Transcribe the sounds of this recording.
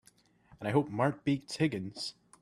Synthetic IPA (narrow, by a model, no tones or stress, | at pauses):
ə̃naɪɦop̚maɹk̚b̥ik̚tʰɪɡə̃nz̥